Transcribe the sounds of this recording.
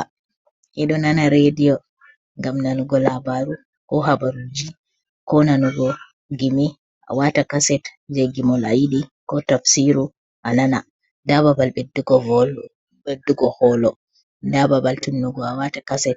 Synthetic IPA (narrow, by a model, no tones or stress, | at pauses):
a | ʔɛɗɔnanaɾedijɔ | ŋɡamnanuɡɔlabaɾu | kɔɦabaɾud͡ʒi | kɔnanuɡɔ | ɡimi | ʔa̰watakasɛt | d͡ʒeɡimɔlajiɗikɔtafsiɾu | ʔanana | dababalɓedːuɡɔ | eduɡɔhɔlɔ | dababaltunːuɡɔawatakasɛt̚